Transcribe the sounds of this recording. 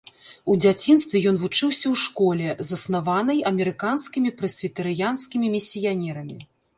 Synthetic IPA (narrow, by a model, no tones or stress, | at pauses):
ud͡zʲat͡sʲin̪st̪vʲɛjɔn̪vut͡ʂɨwsʲɐwʂkɔlʲɛzɐsnavanɐjɐmʲɛɾɨkanskʲimʲipɾɐsʲvʲit̪ɐɾɨjanskʲimʲimʲisʲːijanʲɛɾɐmʲi